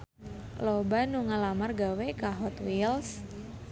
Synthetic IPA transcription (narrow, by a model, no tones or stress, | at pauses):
lobanuŋəlamarɡawekaɦɔt̪wils